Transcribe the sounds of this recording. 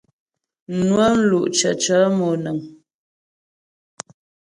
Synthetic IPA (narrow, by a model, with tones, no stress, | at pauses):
nwə˦n̩˦lu˨ʔt͡ʃə̰˨t͡ʃə˨˦mɔ˨nə˨ŋ